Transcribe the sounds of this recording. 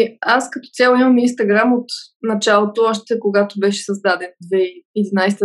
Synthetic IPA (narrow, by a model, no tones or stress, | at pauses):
askɐt̪ɔ̥t̪sɛlˠimɐminst̪ɐɡɾamot̪nɐt͡ʃalˠot̪oɔʃt̪ɛkoɡat̪obɛʃɛ̥sɐzd̪ad̪ɛnd̪vɛiɛd̪inajst̪